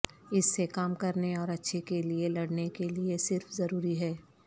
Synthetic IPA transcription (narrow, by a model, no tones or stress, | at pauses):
ɪsːekaːmkɐɾneɔːɾɐtːʃʰekelielɐɽnekeliesɪɾfzɐɾuːɾiɦɛː